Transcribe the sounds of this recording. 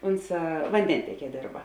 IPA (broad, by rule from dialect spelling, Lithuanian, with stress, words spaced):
ˈoːnˌsɑː ʋɐnʲˈdʲɛnʲtʲɛˌkʲiɛ ˈdʲeːrbɐ